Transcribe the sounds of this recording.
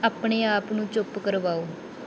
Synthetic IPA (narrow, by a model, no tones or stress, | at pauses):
aːpɳeːaːpnũːt͡ʃʊpkəɾʋaːoː